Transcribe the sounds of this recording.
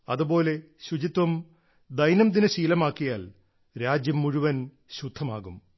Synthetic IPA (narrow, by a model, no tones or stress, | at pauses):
ɐ̰ðubo̞ːle̞ | ɕud͡ʑit̪wɐm | d̪ɐjnɐmd̪inɐɕiːlɐmaːkːijaːl | ɾaːd͡ʑjɐmːuɻuʋɐn | ɕud̪ʱːɐmaːɣum